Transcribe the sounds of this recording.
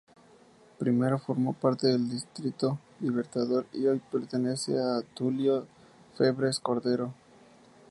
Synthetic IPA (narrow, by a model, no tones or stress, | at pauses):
pɾime̞ɾo̞fo̞ɾmo̞paɾt̪e̞ðeld̪ist̪ɾit̪o̞ | liβe̞ɾt̪aðoɾiojpe̞ɾt̪e̞ne̞sḛat̪uljo | fe̞βɾe̞sko̞ɾðeɾo̞